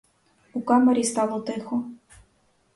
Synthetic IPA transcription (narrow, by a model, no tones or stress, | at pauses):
ukɑmɐɾʲist̪ɑlˠɔt̪ɪxɔ